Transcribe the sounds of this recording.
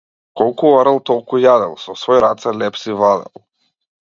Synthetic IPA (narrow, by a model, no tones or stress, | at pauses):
kɔlˠkuɔɾɛlˠt̪ɔlˠkujad̪ɛlˠsɔsvɔjɾat̪sɛlɛpsivlˠad̪ɛ̰lˠ